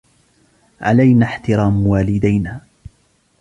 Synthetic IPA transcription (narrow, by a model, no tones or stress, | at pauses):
ʕa̰lajnaːħt̪ɪɾˤɑːmwaːlɪd̪ajnaː